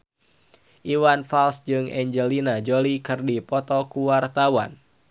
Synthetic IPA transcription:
ʔiwanfalsd͡ʒɨŋɛɲd͡ʒəlinad͡ʒɔlikɨrdipɔt̪ɔkuwart̪awa̰n

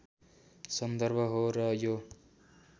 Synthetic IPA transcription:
sʌnd̪ʌɾbʱʌɦoɾʌjo

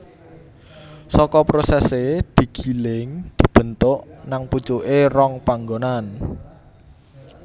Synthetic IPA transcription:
sɔkɔpɾosɛsed̪̥i̤ɡ̥i̤lɪŋd̪̥i̤b̥ə̤nt̪ʊʔnaŋpu̥t͡ʃuʔerɔŋpaŋɡonan

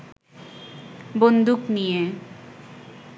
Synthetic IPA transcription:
bond̪uknije

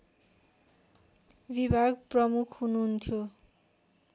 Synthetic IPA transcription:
bibʱaɡprʌmukʰɦunuɦunt̪ʰjo

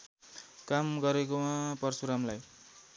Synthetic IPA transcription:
kamɡʌɾekomapʌrsuɾamlaj

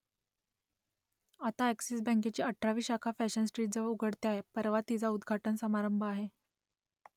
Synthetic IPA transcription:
at̪aæksisbə̃ŋk̬et͡ɕiːəʈʰɾaʋiːɕakʰafæɕənsʈɾiːʈ̚d͡zəʋəuɡʱəɽt̪eaɦepəɾʋat̪id͡zaud̪ɡʱaʈənsəmaɾəmbʱəaɦe

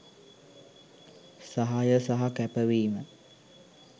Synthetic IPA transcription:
saɦajəsaɦakæpəʋiːmə

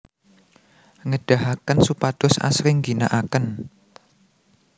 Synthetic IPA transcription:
ŋəɖ̥aɦakənsupad̥̪ʊsa̰sɾɪŋɡinaʔakən

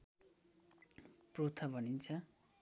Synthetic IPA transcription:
prot̪ʰʌbʱʌnint͡sʰʌ

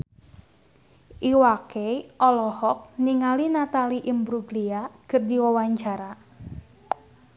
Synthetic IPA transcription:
ʔiwakeʔɔlɔhɔk̚niŋalinat̪aliʔimbɾuɡliakərdiwawaɲt͡ʃaɾa

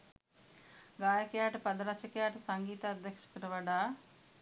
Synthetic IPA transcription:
ɡaːjɐkjaːʈpɐd̪ɾat͡ʃʰɐkjaːʈsɐŋɡiːt̪ɐɐd̪ʱjɐkʂɐ̥kɾɐʋɐɖa

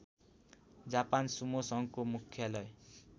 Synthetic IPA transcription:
d͡zapansumosʌŋkomukʰːjʌlʌj

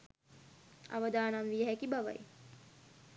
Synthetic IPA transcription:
ɐ̰ʋəd̪aːnamʋijəɦækibaʋə̰j

